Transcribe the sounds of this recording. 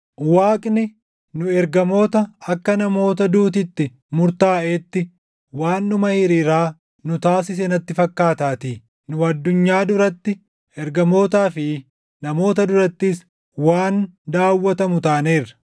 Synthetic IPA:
waːkʼnɪ | nʊɛɾɡɐmo̞ːt̪ɐɐkːɐnɐmo̞ːt̪ɐd̪uːt̪̬ɪt̪ːɪ | mʊɾt̪aːʔeːt̪ːɪ | waːnːʊmɐhɪɾiːɾaː | nʊt̪aːsɪs̬ɛnɐt̪ːɪfɐkːaːt̪aːt̪iː | nʊɐd̪ːʊɲːaːd̪ʊɾɐt̪ːɪ | ɛɾɡɐmo̞ːt̪aːfɪ | nɐmo̞ːt̪ɐd̪ʊɾɐt̪ːɪs | waːnd̪aːwːɐt̪ɐmʊt̪aːneːrːɐ̥

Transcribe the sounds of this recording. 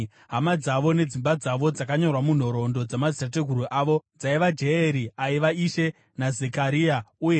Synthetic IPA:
ɦamad͡zaʋo̞ne̞d͡zimbad͡zaʋo̞d͡zakaɲo̞rwamun̤o̞ɾo̞ndo̞d͡zamad͡zitate̞ɡʱuɾuʔaʋo̞d͡zaiʋad͡ʒe̞eɾiaiʋaiʃe̞ | nazekaɾiauje

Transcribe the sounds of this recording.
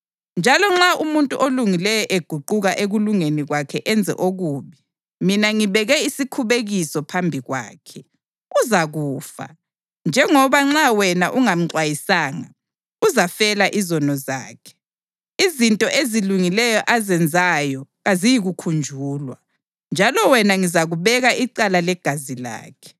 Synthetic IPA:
nd͡ʒʱalɔŋ͡ǁaʔumuntʼṵʔoluŋilɛjɔʔeɡ̥ʱuǃuɣaʔeɣuluŋeniɣwakʰɛʔɛnd͡zʱɛ̰ʔoɣuːβi | minaŋiβɛɣɛisikʰuβeɣisɔpʰambʱiɣwa̰ːkʰɛ | uzaɣuːfa̰ | nd͡ʒʱɛŋɔβaŋ͡ǁawɛnaʔuŋam̩ǀwajisaːŋa̰ | uzafɛlaʔizɔnɔza̰ːkʰɛ̥ | izintʼɔʔeziluŋilɛjɔʔazɛnd͡zʱajɔɣazijiɣukʰund͡ʒʱuːlwa | nd͡ʒʱalɔwɛnaŋizaɣuβɛɣaiǀalalɛɡ̥ʱazila̰ːkʰɛ̥

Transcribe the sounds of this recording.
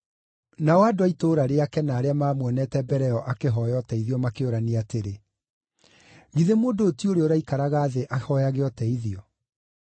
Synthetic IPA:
nawaːdoaitoːɾaɾeakɛnaːɾeamaːmwɛnɛtɛbɛɾɛɔʔakeɦɔjɔtɛiðiɔmakeoɾaniateɾe | ɣiðemoːndoːtioɾeoɾaikaɾaɣaːðeʔahɔjaɣeɔtɛiðiɔ

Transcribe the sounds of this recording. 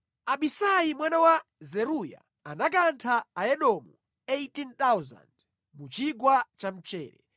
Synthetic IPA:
aɓisajimwanawazɛɾuja̰ | anak̬antʰaaɛɗɔmu | ejtint̪awza̰nd | mut͡ʃiɡwat͡ʃam̩t͡ʃɛ̰ːɾɛ

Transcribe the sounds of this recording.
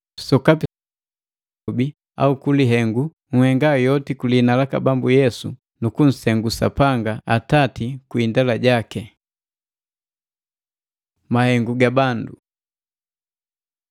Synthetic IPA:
sɔkapi | bi | a̰ukuliɦɛŋɡu | ŋ̩hɛŋɡajɔtikulinalaka̰bambujɛsṵ | nukun̩sɛŋɡusa̰paŋɡaatatikwindalaɟakɛ | mahɛŋɡuɡabandṵ

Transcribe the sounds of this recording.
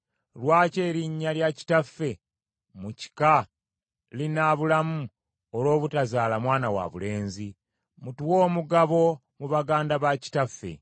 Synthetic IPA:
lwaːce̞ːɾiɲːaljaci̥tafːe̞ | muci̥ka | linaβulamu | oɾo̞ːβutazaːlamwaːnawa̰βule̞ːnzi | mutuwo̞ːmuɡaβo̞ | muβaɡaːndaβaci̥tafːe̞̰

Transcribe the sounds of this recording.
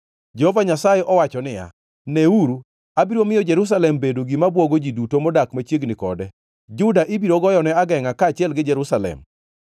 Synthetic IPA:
d͡ʒɛhɔvaɲasajɛʔɔwat͡ʃɔnɪja̰ | nɛuɾu | abiɾomɪjɔd͡ʒɛɾus̬alɛmbedoɡɪmabwoɡod͡ʒidutomɔdakmat͡ʃjeɡnɪkɔ̰dɛ | d͡ʒʊdaʔɪbiɾoɡɔjɔnɛaɡɛŋakaːt͡ʃɪɛlɡɪd͡ʒɛɾusalɛ̰m

